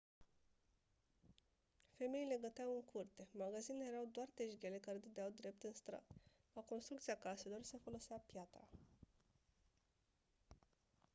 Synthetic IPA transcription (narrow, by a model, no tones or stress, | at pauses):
fe̞me̞ile̞ɡət̪eawɨŋkʰurt̪e̞maɡazinlejeɾawd̪oart̪e̞ʒɡʲe̞le̞kaɾed̪ed̪eawd̪ɾe̞p̚t̪ɨnst̪ɾa̰t̪ | lako̞nst̪ɾukt̪sijakase̞lo̞rse̞fo̞lo̞seapjat̪ɾa